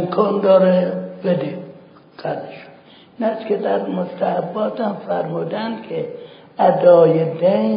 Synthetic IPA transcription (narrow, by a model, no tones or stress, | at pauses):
mkʰɒːnd̪ɒːɾebed̪e | qæleʃo̥ | inæskʲʰed̪æɾmost̪ʰæhæbːɒːt̪hæmfæɾmuːd̪ænd̪kʲʰe | æd̪ɒːjed̪ej